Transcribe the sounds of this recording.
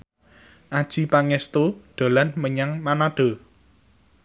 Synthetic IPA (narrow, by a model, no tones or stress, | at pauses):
ʔad̥ʒ̥i̤paŋɛst̪oɖ̥a̤lanməɲaŋmanaɖ̥o̤